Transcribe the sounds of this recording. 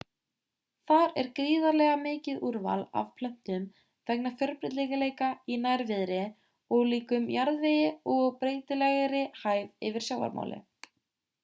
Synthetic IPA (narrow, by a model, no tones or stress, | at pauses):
θaɾɛɾkɾiːðaɾlɛɣamɪːcɪðuɾva̰la̰v̥pʰlœm̥t̪ʏm | θɛknafjœɾpɾɪt̪liɣaleːjkainajɾvɪðɾɪ | ɔɣliːkʏmjaɾðvɪjɪɔɣɣpɾeːjt̪ɪlɛɣɾɪhaːjvɪvɪɾ̥sjawva̰ɾmʔa̰ːwlɪ̰